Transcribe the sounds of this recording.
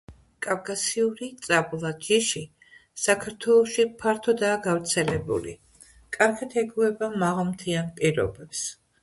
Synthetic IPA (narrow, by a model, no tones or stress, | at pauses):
kʼavkʼasiuɾit̪sʼabulˠad̪iʃi | sakʰaɾt̪ʰwɛlˠɔʃipʰaɾt̪ʰɔd̪aːɡavɾt̪sʰɛlɛbṵlḭ | kʼaɾɡat̪ʰɛɡuɛbamaʁalˠmt̪ʰianpʼiɾɔ̰bɛps